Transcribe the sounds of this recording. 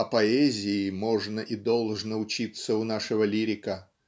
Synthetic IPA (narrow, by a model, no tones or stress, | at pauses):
ɐpɐɛzʲɪːmo̞ʐnəʔid̪o̞lˠʐnəʊt͡ɕit̪səʊnaʂɨvəlʲiɾʲɪkə